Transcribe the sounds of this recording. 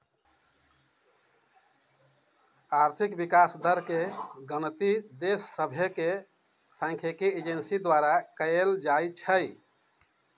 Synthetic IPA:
aɾt̪ʰikbikasd̪əɾkeɡənt̪id̪esːəbʱeke | sãŋkʰekied͡ʒensid̪waɾakəeld͡ʒajt͡ʃʰəj

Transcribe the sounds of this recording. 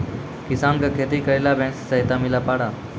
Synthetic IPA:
kɪsaːnkakʰeːt̪iːkəɾiːlaːbʱẽːnssəɦɪt̪aːmiːlaːpaːɽaː

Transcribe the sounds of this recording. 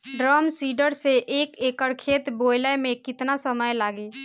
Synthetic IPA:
ɖɾaːmsiːɖəɾseʔeːkeːkəɽkʰeːt̪boːɪləmẽkɪt̪nasəməjlaːɡeː

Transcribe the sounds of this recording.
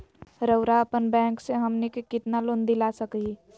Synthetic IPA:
ɾəʊɾaəpənbɛ̃ːŋkseɦəmnikekɪt̪naloːnd̪ilasəki

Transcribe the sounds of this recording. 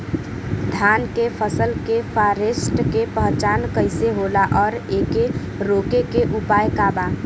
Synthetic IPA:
d̪ʱankepʰəsəlkepʰaɾesʈkepəɦt͡ʃaːnkəɪseɦolaʔɔːɾeke | ɾokekeʔupajkaba

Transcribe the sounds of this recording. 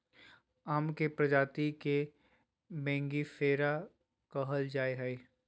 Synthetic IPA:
aːmkepɾɐd͡ʒaːt̪ike | mɛ̃ːŋɡifeːɾa | kəɦəld͡ʒaːeɦɛ

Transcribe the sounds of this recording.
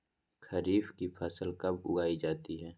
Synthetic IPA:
kʰɐɾiːfkipʰɐsəlkɐbʊɡaːid͡ʒaːt̪iɦɛː

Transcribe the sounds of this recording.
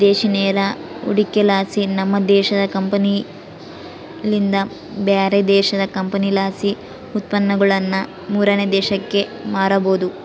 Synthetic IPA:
d̪ɛːʃinɛːɾɐ | ṵɽikːelaːsinɐmːɐd̪ɛːʃɐd̪ɐkɐmpɐni | lind̪ɐ | beːɾed̪ɛːʃɐd̪ɐkɐmpɐnilaːsi | ut̪̚pɐnːɐɡɐɭɐnːɐ | muːɾɐned̪ɛːʃɐkːe̞maːɾɐboːd̪u

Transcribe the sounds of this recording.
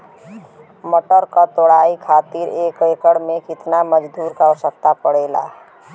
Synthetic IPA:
məʈəɾkət̪oɽaikʰat̪iɾekekəɽmekit̪naməd͡ʒd̪uɾkaəʋəsək̚t̪apəɽɛla̰

